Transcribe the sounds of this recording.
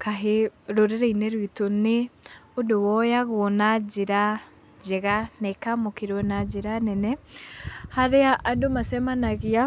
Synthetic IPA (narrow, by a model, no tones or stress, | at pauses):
kaɦeɾoɾeɾɛinɛɾwitone | odowɔjaɣonad͡ʒeɾa | d͡ʒɛɣanɛkamokeɾwɔnad͡ʒeɾanɛnɛ | haɾeaʔadomasɛmanaɣia